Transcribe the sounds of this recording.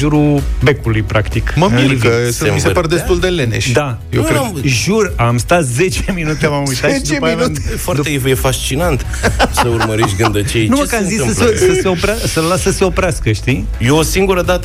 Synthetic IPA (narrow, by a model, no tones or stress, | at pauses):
ʒuɾubekulujpɾakt̪ikməmiivsəmisepaɾd̪est̪uld̪elenḛʃd̪a | jḛwkɾemʒuramst̪at̪ze̞t͡ʃeminut̪emamujt̪aʃit͡ʃd̪epivunfoaɾt̪eivjefast͡ʃinant̪ | səurməɾiʃɡɨnd̪ət͡ʃenuməkazisɨmslesəseopɾasəlasəseo̞pɾeaskəʃt̪i | jeosiŋɡuɾəd̪at̪ə